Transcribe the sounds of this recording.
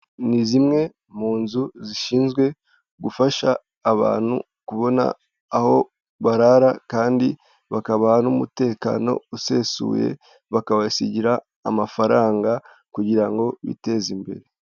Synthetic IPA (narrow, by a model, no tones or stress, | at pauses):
nizimŋe̞ | m̥uːnzuziʃiːnzɡwe̞ | ɡufaʃaː | βa̰ːn̥hṵ | kuβo̞na̰ː | ho̞ | βaɾaɾakaːndi | βakaβahanumute̞ːka̰ːno̞̰use̞sṵːje̞̰ | βakawasiɟiɾaː | mafaɾaːŋɡa | kuɟiɾaŋɡo̞βḭte̞zimbe̞̰ɾe̞